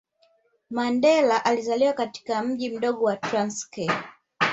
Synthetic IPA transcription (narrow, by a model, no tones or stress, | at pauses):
mandɛlaʔalizaliwakati̥kam̩ʄim̩ɗɔɠɔwatɾanskɛ